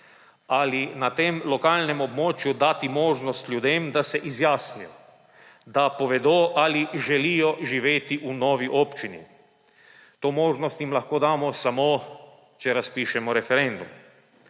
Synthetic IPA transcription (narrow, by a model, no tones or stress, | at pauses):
alinat̪eːmlɔkaːlnɛmɔbmoːt͡ʃjud̪aːt̪imoːʒnɔst̪lʲjud̪eːmd̪asɛʔizjaːsnijɔ̰ | d̪apɔʋɛd̪oːʔaliʒɛliːjɔʒiʋeːt̪iʔunɔːʋiʔoːpt͡ʃinḭ | t̪oːmoːʒnɔst̪jimlaxkoːd̪aːmɔsamo | t͡ʃɛɾaspiːʃɛmɔɾɛfɛɾend̪um